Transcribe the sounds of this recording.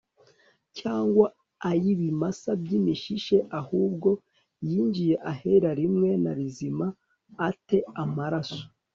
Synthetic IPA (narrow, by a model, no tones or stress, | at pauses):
caːŋɡwa | ajiβimasabɟimiʃiʃe̞ʔahuːb̚ɡo̞ | jiːɲd͡ʒije̞ʔaheɾaɾimŋe̞naɾizimaː | te̞amaɾaso̥